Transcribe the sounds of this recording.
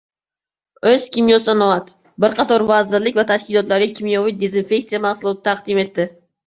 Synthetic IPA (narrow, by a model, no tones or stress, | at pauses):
ɵz̥kʲʰɪmjosanowat̪ | bɪɾqʰɑt̪ʰɒɾvɑzɪɾlɪk̚ʲvat̪ʰaʃkʲɪlˠɒt̪laɾɡʲakʲʰimijovijd̪ezinfe̞k̚tsijamɑχsʊlˠɒt̪ʰɪ̥t̪ʰɑqd̪ɪme̞t̪ːɪ